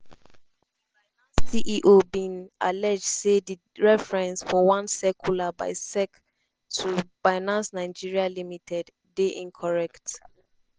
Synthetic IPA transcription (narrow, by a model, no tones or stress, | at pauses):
siʔiʔobĩnalɛd͡ʒdsedi | ɹɛfɹɛ̃nsfɔwãnsɛkʰulaba̰ɪsɛk | tʰufaɪnãnsnaɪd͡ʒiɹialimitʰɛdːeʔĩŋkʰɔɹɛkt